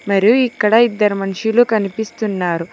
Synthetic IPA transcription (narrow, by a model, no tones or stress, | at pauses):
mɐɾijuikːɐɽɐid̪ːɐɾumɐnʂilukɐnipist̪unːaːɾu